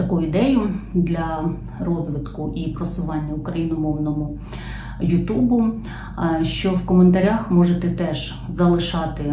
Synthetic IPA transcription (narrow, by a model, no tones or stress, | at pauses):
t̪ɐkujʊid̪ɛjʊd̪lʲɐ | rɔzʋɪt̪kʊʔipɾɔsʊʋɑnʲːɐʊkɾɐjinɔmɔwnɔmʊ | jʊt̪ubʊ | ʃt͡ʃɔwkɔment̪ɐɾʲaxmɔʒet̪ɛt̪ɛʒ̥ | zɐlˠɪʃɑt̪ɪ